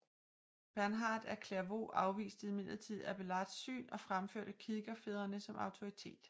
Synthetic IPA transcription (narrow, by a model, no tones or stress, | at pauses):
b̥æɐnɦɑ̈ːd̥æɐkʰleɐʋo̝̰ːʔɑ̈ʊʋḭːsd̥ð̩ˠime̝n̰ˠt͡sʰið̰ˠæb̥elɑ̈d̥sy̰ːnɒ̽fʁamfø̰ɐ̰d̥əkʰiðˠɡ̥ɐfe̝ð̞ˠɐnəsɒ̽mɑ̈ʊt͡sʰo̝ʁit͡sʰe̝̰ːd̥